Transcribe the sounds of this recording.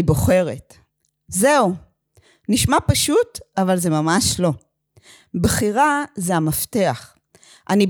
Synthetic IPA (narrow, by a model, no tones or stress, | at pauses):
bo̞χe̞ʁe̞t | zeu | niʃmapaʃutavalze̞mamaʃlo̞ | bχiʁazeamafte̞aχ | ʔani